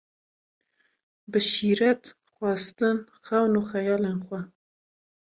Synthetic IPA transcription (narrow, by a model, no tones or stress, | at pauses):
bɨʃiːɾɛt̪ | xwɑst̪ɨn | xɛwnuːxɛjɑːleːnxwɛ